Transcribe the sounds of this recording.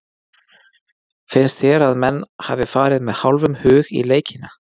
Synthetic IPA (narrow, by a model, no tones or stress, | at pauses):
fɪnst̪θjɛːɾaðmɛnːhavɪfaːɾɪðmɛðhawlvʏmhʏːɣḭleːjcʰɪna